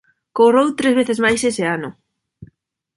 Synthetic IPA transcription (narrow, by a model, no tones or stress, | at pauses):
korowt̪ɾezβ̞eθezmajseseanʊ